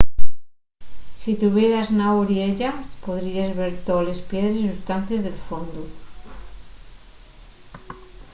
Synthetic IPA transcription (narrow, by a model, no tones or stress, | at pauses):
sit̪uβjeɾaznaoɾieʎapoðɾiazβeɾt̪ole̞spjeðɾesisust̪an̟θjezðelfond̪u